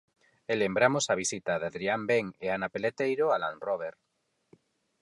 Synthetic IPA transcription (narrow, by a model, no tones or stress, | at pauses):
elembɾamosaβ̞isit̪aðaðɾiambeŋeanapelet̪ejɾoalanroβ̞eɾ